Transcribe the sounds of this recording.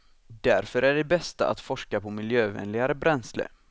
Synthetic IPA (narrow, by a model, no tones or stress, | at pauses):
d̪æɾfœɾæɖɛbɛst̪a̰ʔa̰t̪fɔʂkapʰɔmɪljøːvɛ̰nlɪɡaɾəbɾɛnslə̰